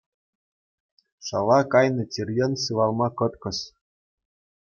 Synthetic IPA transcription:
ʂɑ̰lˠːɑkɑjnɤ̆tʲirʲjɤ̆nsɯʋɑlˠmɑkɤ̆t̪kɤ̆s

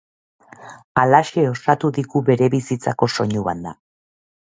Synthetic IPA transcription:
alaʃe̞o̞sat̪uðiɣuβe̞ɾe̞βisit͡sako̞so̞ɲuβa̰nd̪a

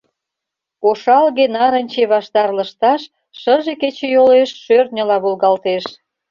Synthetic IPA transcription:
koʃɑlɣenɑɾənʲt͡ɕeβɑʃt̪ɑrləʃt̪ɑʃː | əʒeket͡ɕejoleʃːørt̪nʲəlɑβolɣɑlt̪eʃ

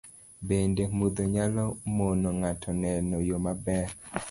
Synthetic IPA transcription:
bendemud̪oɲalɔmonɔŋatʰɔnɛnɔjomabɛɾ

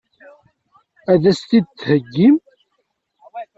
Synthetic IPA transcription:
æðæst̪id̪t̪ːhəɡːim

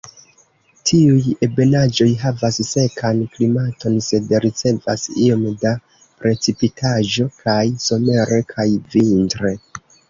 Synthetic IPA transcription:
tʰiuje̞be̞nad͡ʒo̞jɦavasse̞kʰanklimato̞nse̞dɾit͡se̞va̰sio̞mda | pɾe̞t͡sipitʰaʒo̞kʰajso̞me̞ɾe̞kʰajvintɾe̞

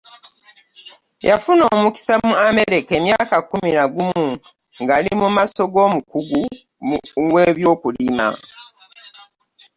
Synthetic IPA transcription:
jʔafuno̞ːmuki̥samuame̞ɾe̞ke̞mjaːkakuminaɡumu | ŋɡalimumaso̞ɡo̞ːmukuɡu | we̞ːβjo̞ːkulima̰

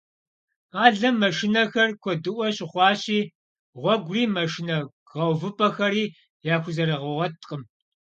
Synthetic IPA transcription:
qɑːɮɐmːɐʃɪnɐxɐrkʷʰɔdɨʔʷɔɕʼɪχʷɑːɕiː | ʁʷɔɡʷriːmɐʃɪnɐ | ʁɐwvɨpʰʼɐxɐɾiː | jaːxʷʊzɐɾɐʁɐʁɔtʼqʼəm

